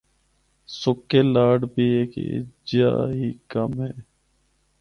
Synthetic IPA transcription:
sʊkːeːlaːɖbʱiːeːkd͡ʒa̰ːɦiːkəmɦeː

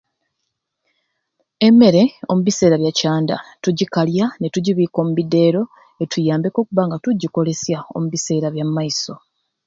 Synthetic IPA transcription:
e̞me̞ɾe̞o̞muβise̞ːɾaβjacaːnda̰tuɟikaljane̞tuɟiβiːko̞ːmuβide̞ːɾo̞ | e̞tʰujaːmbe̞ko̞ːkuβaŋɡatuɟːiko̞le̞sjao̞̰muβise̞ːɾaβjamːaiso̞

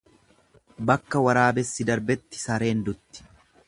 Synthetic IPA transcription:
bɐkːɐwɐɾaːbɛsːɪd̪ɐɾbɛt̪ːɪ̥sɐɾe̞ːnd̪ʊt̪ːɪ̥

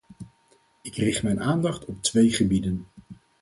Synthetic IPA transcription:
ɪkrɪχtmɛjnaːndɑχtɔp̚tʋejχəbidən

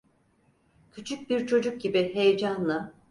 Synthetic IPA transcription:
cʰyt͡ʃʰyc̚biɾt͡ʃʰo̞d͡ʒuk̚ɟibiɦe̞jed͡ʒanlˠɯ

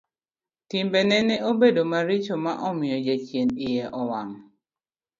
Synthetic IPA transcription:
timbɛnɛnɛobedomaɾit͡ʃomaʔɔmɪɔd͡ʒat͡ʃjenɪjɛʔɔwaŋ

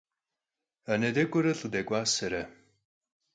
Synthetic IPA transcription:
ɐnɐdɐkʷʼʊɾɨɬʼɨdɐɡʷʼaːsɐɾɐ

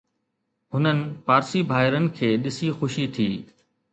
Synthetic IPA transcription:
ɦʊnənɪ̆paːɾsibʱaːɦɪɾənɪ̆kʰeːɗɪsixʊʃit̪ʰiː

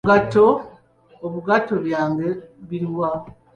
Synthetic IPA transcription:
ɡato̞ː | βuɡato̞βjaːŋɡe̞βiɾwa

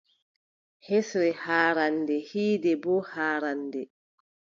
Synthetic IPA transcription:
hesɾɛhaːɾandɛhiːdɛbɔhaːɾandɛ

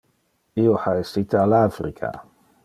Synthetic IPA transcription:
ioħaesit̪ʰealafrikʰa̰

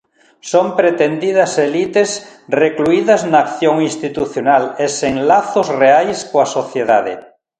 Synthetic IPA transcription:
sompɾet̪end̪ið̞ɐselit̪esrekluiðaznaːkθjoŋĩnst̪it̪uθjonaleseŋlaθozreajskoasoθjeðaðḛ

